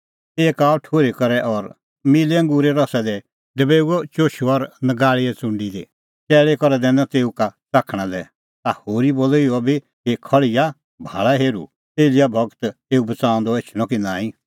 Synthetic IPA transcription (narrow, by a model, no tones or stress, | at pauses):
eːkaːɔʈʰoːɾekɔɾɛʔɔɾ | mileɐ̃ŋɡuːɾeɾɔsɛd̪ɛ | d̪əbeːuɔt͡ʃoːʃoɔɾnɐɡaːɭiɛt͡sʊ̃ɳɖid̪ḛ | t͡ʃɛːɭekɔɾɛd̪ɛ̃ːnãt̪eːukat͡saːkʰɽ̃ãlɛ | t̪ahoːɾibolɪɔbi | kekʰɔɭɪja | bʱa̰ːɭaɦeːɾṵ | eːlɪjabʱɔɡt̪eːubɐt͡sãːɔ̃nd̪ɔet͡ʃʰl̃ɔ̃kinãːĩ